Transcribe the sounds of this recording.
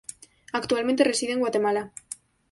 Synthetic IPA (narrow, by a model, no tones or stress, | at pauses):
akt̪ualmẽnt̪̬ere̞siðeŋɡwat̪e̞mala